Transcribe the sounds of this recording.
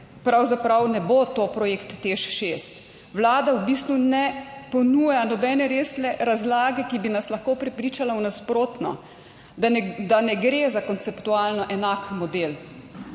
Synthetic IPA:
pɾawzapɾawnɛbot̪opɾɔjekt̪ːeʃʃest̪ | wlaːd̪awbiːst̪unɛpɔnujanɔbɛnɛɾeːslɛɾazlaːɡɛkibinaslaxkoːpɾɛpɾiːt͡ʃalawnaspɾoːt̪nɔ̰ | d̪anɛɡɾeːzakɔnt̪sɛpt̪ualnɔʔɛnakmɔd̪eːl

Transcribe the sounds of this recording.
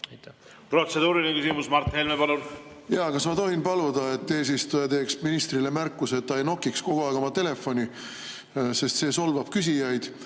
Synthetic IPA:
pro̞t̪sed̪uːɾilʲinekysimusmɑrt̪helmepɑlun | jɑkɑsmɑt̪o̞ɦinpɑlud̪̥ɑet̪ːe̞ːs̬ist̪ujɑt̪e̞ːksminist̪rilemærkːuse̞t̪ːɑejno̞kːiksko̞ɡ̥uɑjɡo̞mɑt̪e̞le̞fːo̞nʲi | se̞st̪se̞ːso̞lvɑb̥̚kys̬ijɑjd̪̥

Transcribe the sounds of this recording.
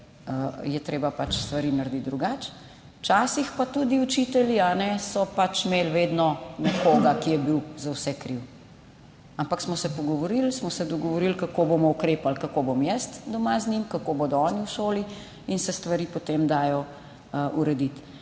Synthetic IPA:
əjɛt̪ɾeːbapat͡ʃst̪ʋaɾinaɾd̪it̪̚d̪ɾuɡat͡ʃ | t͡ʃaːsixpat̪ud̪iut͡ʃit̪ɛljianɛsɔpat͡ʃmelʋeːd̪nɔnɛkoːɡakijɛbiwzawsɛkɾiw | ampaksmɔsɛpɔɡɔʋɔɾilsmɔsɛd̪ɔɡɔʋɔɾilkakobomɔukɾeːpalkakobomjɛst̪d̪ɔmaznimkakoboːd̪ɔɔːniwʃoːli | insɛst̪ʋaɾiːpot̪emd̪aːjɔ | ʔuɾɛd̪it̪

